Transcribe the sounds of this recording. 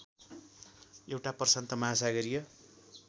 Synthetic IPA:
ewʈapʌrsʌnt̪ʌmaasaɡʌɾijʌ

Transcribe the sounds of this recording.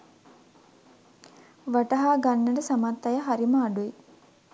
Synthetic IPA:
ʋaʈɐɦaːɡanːəɖəsamat̪ːajəɦaɾiməːɖue

